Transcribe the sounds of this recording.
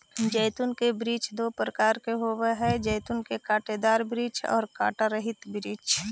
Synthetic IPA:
d͡ʒɛɪt̪ʊnkebɾiːt͡ʃd̪oːpɾəkaːɾkeɦoːweɦɛd͡ʒɛjt̪ʊnkekaːʈed̪aːɾbɾiːt͡ʃɔ̰ːɾka̰ːʈaɾəɦɪt̪bɾiːt͡ʃ

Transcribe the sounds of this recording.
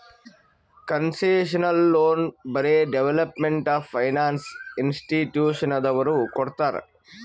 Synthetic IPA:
kɐnseːʃɐnɐlːoːnbɐɾeːɖeʋelɐpmeɳʈaːfːʰɐjnaːnsinsʈiʈjuːʃɐnɐd̪ɐʋɐɾukoɽt̪aːɾ

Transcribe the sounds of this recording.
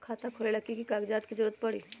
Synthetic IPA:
kʰaːt̪akʰolelɐkːikikaːɡd͡ʒaːt̪kid͡ʒəɾuət̪̚pɐɽiː

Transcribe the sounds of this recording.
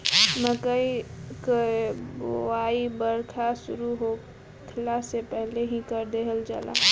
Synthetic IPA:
məkəikboaːibəɾkʰasʊɾuɦo | kʰlasepɛɦleɦĩkəɾd̪eːɦəld͡ʒa̰ːla̰

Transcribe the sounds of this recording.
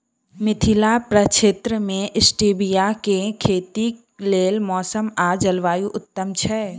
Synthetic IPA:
mɪt̪ʰɪlapɾət͡ʃʰeːt̪ɾəmẽʔɪsʈiːbijakekʰeːt̪i | leːlmɔːsəmad͡ʒəlʋaːjuʔʊt̪ːəmt͡ʃʰɛ

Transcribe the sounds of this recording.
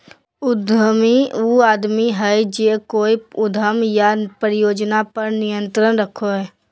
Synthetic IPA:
ʊd̪ʱəmiuːaːd̪miɦɛd͡ʒeːkoːiʊd̪ʱəmjapɾjoːd͡ʒnapəɾnɪjə̃nt̪ɾənɾəkʰoɦɛː

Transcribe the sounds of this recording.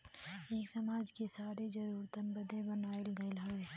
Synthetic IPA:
eːksɐmaːd͡ʒkesaːɾed͡ʒɐɾuːɾt̪ənbəd̪ʱẽbənaːɪlɡəɪlɦəe

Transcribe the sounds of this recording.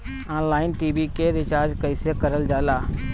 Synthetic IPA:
ãːnlaːɪnʈiːbikeɾɪt͡ʃaːɾd͡ʒkəɪsekəɾəld͡ʒaːlaː

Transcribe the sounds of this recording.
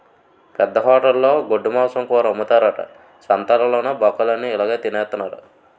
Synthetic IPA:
pɛd̪ːɐɦɔːʈɐlːo̞ːɡoɖːumɔːsɐmkuːɾɐumːut̪aːɾɐʈɐ̰ | t͡ʃɐnt̪ɐlɐloːnɐbɐkːɐlɐnːiːlaːɡaːt̪ineːt̪ːunːaːɾɐ

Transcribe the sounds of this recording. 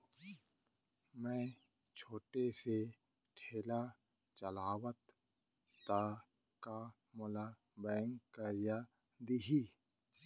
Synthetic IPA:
mɛ̃ː | t͡ʃʰoːʈese | ʈʰeːla | t͡ʃəlaːwət̪ː | a | ka | mʊla | bɛːəŋɡkəɾija | d̪iɦiː

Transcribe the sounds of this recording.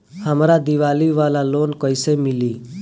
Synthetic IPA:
həmɾad̪iʋaliʋalalonkɔjsəmili

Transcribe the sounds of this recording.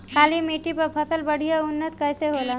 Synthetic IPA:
kʰalimeʈipəɾpʰəsəlbəɽ̤ijaunːət̪kəjseɦola

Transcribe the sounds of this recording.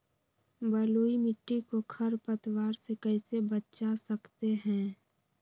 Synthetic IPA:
bəluːimɪʈːikokʰəɾpət̪waːɾsekəɪsebətt͡ʃasəkt̪eɦɛ̃ː

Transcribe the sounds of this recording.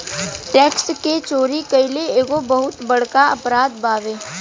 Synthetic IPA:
ʈɛːksket͡ʃoːɾikɐɪleeːɡobɐɦʊt̪bɐɽkaɐpɾaːd̪baːʋeː

